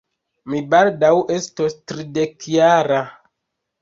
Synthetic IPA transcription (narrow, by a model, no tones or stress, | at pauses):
mibaldawestostɾidekjaɾa